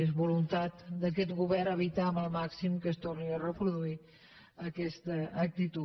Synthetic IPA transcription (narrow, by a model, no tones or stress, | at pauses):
ezβulunt̪at̪d̪ək̬ɛt̪ɡuβɛɾəβit̪aəməlˠmaksimkəst̪orniərəpɾuðui | əkɛst̪əːk̚t̪it̪u